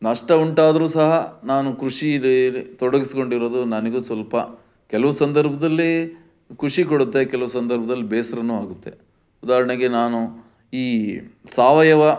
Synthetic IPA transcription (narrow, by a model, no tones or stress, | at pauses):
nɐʂʈɐuɳʈaːd̪ɐɾuːsɐɦɐnaːnukɾuʂid̪et̪ɔɽɐɡisiko̞ɳɖiɾod̪unɐneɡuːsʋɐlpɐ̰ | kɛlɐʋɐsɐnd̪ɐɾbʱɐd̪ɐlːi | kuʂikoɽut̪ːe̞kɛlɐʋusɐnd̪ɐɾbʱɐd̪ɐlːibɛːsɐɾɐnuːaːɡut̪ːe̞ | ud̪aːɐɾɐɳeɡenaːnu | iːsaːʋɐjɐʋɐ